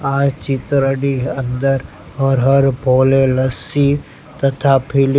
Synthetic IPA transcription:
aːd͡ʒt͡ʃɪt̪ɾəɖiɐ̃nd̪əɾ | ɦɔɾɦɐɾbʱoːlelɐsi | t̪ɐt̪ʰapʰɪl

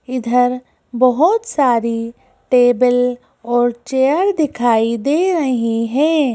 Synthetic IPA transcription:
ɪd̪ʱəɾ | bɐɦʊt̪saːɾi | ʈeːbəl | ɔːɾt͡ʃeːəɾd̪ɪkʰaːid̪eːɾɐɦiɦɛ̃ː

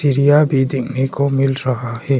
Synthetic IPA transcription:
siːɾijabʱid̪ɪkʰnekomɪlɾɐɦahɛː

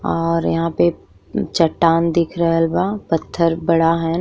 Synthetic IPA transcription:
ɔːɾjɐ̰ɦãpe | t͡ʃɐʈːaːnd̪ɪkʰɾɦɐlbapɐt̪ʰːəɾbɐɽaɦɛ

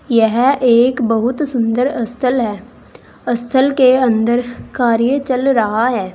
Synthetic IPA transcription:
jɛɦeːkbɐɦʊt̪sʊ̃nd̪əɾɐst̪ʰəlɦɛː | ɐst̪ʰəlkeɐ̃nd̪əɾkaːɾjət͡ʃɐlɾɐɦaɦɛː

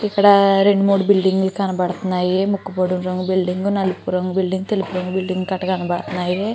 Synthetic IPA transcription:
ikːɐɽaɾeɳɖumoɽbilɖiŋɡulkaːnɐbaɽt̪naːjiemukːupɐɽunɾɐŋɡubilɖiŋɡunɐlupuɾɐŋɡubilɖiŋɡut̪elupuɾɐŋɡubilɖiŋɡkɐʈːɐkaːnɐbaɽɐt̪naːje

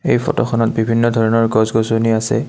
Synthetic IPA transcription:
ejpʰɔ̰tɔxɔnɔt̚bibʱinːɔdʱɔɹɔnɔɹɡɔzɡɔzoniasɛ̰

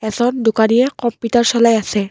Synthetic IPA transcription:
ɛzɔndʊkanijɛkɔmputaɹsɔlajasɛ

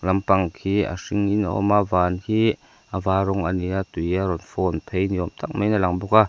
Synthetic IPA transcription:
lɐmpaŋkʰia̰siŋina̰ɔ̰mavaːnhi | avaːɾɔŋaniat̪ujaɾɔnfɔnpʰejniɔmt̪ak̚mejnalaŋbɔka

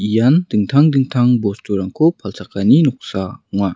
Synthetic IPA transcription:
ijand̥ɯŋt̪ʰaŋdɯŋt̪ʰaŋbɔstuɾaŋkʰopʰalsʰakaninɔk̚sauŋa

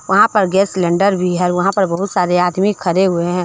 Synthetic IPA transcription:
ʋɐɦãpɐɾɡɛːslɛ̃ːɳɖəɾbʱiɦɛʋɐɦãpɐɾbɐɦʊt̪saːɾeaːd̪mikʰɐɾeɦʊeɦɛ̃ː

